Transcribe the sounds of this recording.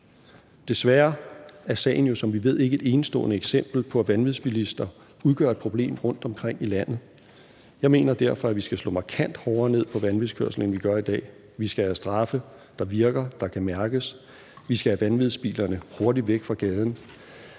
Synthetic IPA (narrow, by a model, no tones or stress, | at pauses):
d̥e̝sʋæːɐæɐsɛ̰ːɪn̩jo̝sɒ̽mʋiʋe̝ð̞̰ˠe̝ɡ̥əe̝d̥e̝ːnəsd̥ɔ̰̽ːnəeɡ̥sem̰b̥l̩pʰɒ̽æʋænʋiðˠsb̥ilisd̥ɐ | uð̞ˠɡ̥ɶ̰ɐed̥̚pʰʁo̝b̥le̝̰ːmʁɔ̽n̰d̥ɒ̽mkʰʁeŋ̰ilæn̰ð̩ˠ | jɑ̈ɪme̝̰ːnɐd̥æɐfɒ̽æʋisɡ̥æslɔ̰ːmɑ̈kʰæn̰d̥hɒʊɐne̝ð̞̰ˠpʰɒ̽ʋænʋið̩ˠkʰøɐsl̩ən̩ʋiɡ̥ɶɐid̥ɛ̰ː | ʋisɡ̥ææsd̥ʁɑ̈fə | d̥ɑ̈ʋiɐɡ̥ɐd̥ɑ̈kʰæmæɐɡ̥əs | ʋisɡ̥ææʋænʋið̞ˠsb̥ḭːlɐnəho̝ɐdiʋeɡ̥fʁɑ̈ɡ̥ɛːð̞ˠn̩